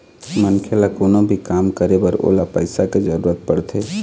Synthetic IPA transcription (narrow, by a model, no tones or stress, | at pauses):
mənkʰelakonobʱikaːmkəɾebəɾo̰lapəɪsaked͡ʒəɾuɾət̪̚pəɽt̪ʰe